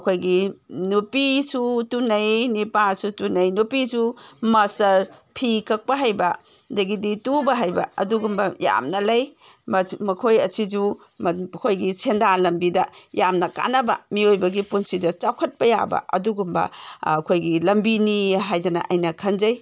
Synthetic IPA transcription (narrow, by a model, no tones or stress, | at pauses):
kʰojɡinupisutunɐjnipasutunɐjnupisumɐsɐɾpʰikʰɐk̚pɐɦajbɐ | dɐɡiditubɐɦajbɐ̰ɐ̰duɡumbɐja̰mnɐlɐjmmɐkʰojɐsid͡ʒu | mkʰojɡisʰendalɐmbidɐjamnɐka̰nɐbɐ̰miojbɐɡipunsidɐt͡ʃawkʰɐt̚pɐja̰bɐ̰ʔɐ̰duɡumbɐ̰ːkʰojɡilɐmbiniɦajdɐnɐ̰ʔajnɐkʰɐnzɐj